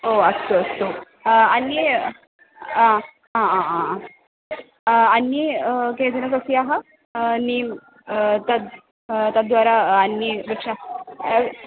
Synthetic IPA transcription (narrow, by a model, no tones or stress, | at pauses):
oəst̪oəst̪o | anːi | ã | ɦããɦã | anːikẽd͡z̪ənəkəsiaɦa | ni | t̪at̪ | t̪ad̪ʋaɾaanːibəkɕa